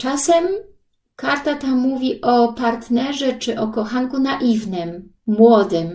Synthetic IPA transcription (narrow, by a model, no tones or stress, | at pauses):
t͡ʂasɛm | kaɾt̪at̪amuvʲiʔɔpaɾt̪nɛʐɛt͡ʂɘʔɔkɔxaŋkunaʔivnɘmːwɔd̪ɘm